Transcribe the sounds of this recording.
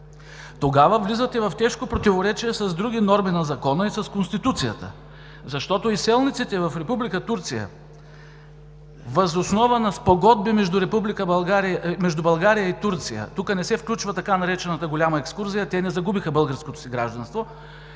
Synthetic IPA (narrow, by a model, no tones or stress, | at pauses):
t̪oɡavəvlizət̪ɛvɐft̪ɛʃkopɾot̪ivoɾɛt͡ʃiɛsɐzd̪ɾuɡ̟ʲinɔɾminɐzɐkɔnəisɐskonst̪it̪ut̪sijət̪ə̰ | zɐʃt̪ɔt̪oisɛlˠnit̪sit̪ɛvɐfɾɛpublikət̪uɾt̪sijə̰ | vɐzosnɔvənɐspoɡɔd̪̚bimɛʒd̪uɾɛpublikəaɾmɛʒd̪ubɐlˠɡaɾijəit̪uɾt̪sijə̰t̪ukənɛsɛfklʲut͡ʃvət̪ɐkanɐɾɛt͡ʃɛnət̪əɡolʲamɐɛkskuɾzijɐt̪ɛnɛzɐɡubixəbɤlˠɡəɾskot̪o̥siɡɾaʒd̪ɐnst̪vo